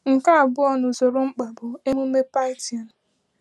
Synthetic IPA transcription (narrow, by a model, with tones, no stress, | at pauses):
ŋ̩˨ka˦a˨ɡ͡bʊ˦ɔ˦˨nʊ˨zʊ˨ɾʊ˦ŋ͡m̩˦k͡pa˨bʊ˨e˦mu˦me˦pa˦ɪ˦ti˨ɔ˨n̩˨